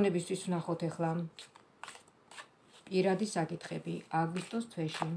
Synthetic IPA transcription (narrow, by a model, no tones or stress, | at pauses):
nɛbist̪ʰwiswnaχɔt̪ʰɛχlˠa | pʼiɾad̪isakʼit̪ʰχɛbiaɡwist̪ʼɔst̪ʰwɛʃi